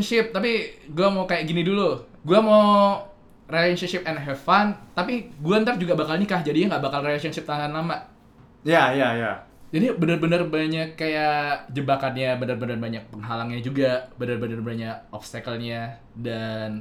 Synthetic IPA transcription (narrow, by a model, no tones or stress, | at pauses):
nʃɪp̚t̪apiɡuamawkajaʔɡinidulu | ɡuamaw | relnʃənʃɪp̚ɛnɦɛfant̪apiɡuaənt̪ard͡ʒuɡabakalɲakahd͡ʒadijaŋɡaʔbakalrelasɔnʃɪp̚t̪aŋanlama | jajaja | d͡ʒadibənərbənərbanəɲakkːajad͡ʒəbakat̪ɲabənərbənərbaɲak̚pəŋɦalaŋɲad͡ʒuɡabənərbənərbənəɲaʔɔpst̪akəlɲa | dan